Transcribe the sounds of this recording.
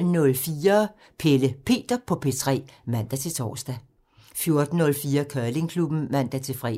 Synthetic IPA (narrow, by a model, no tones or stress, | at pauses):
nɔ̽lfiːɐ | pʰeləpʰe̝̰ːd̥ɐpʰɒ̽pʰe̝t͡sʰʁɛ̰ːmæn̰d̥æt͡sʰe̝t͡sʰɒ̰ːsd̥æ | fjo̝ɐd̥n̩ːɔ̽lfiːɐkʰɶɐle̝ŋkʰlub̥n̩mæn̰d̥æt͡sʰe̝fʁɛ̰ː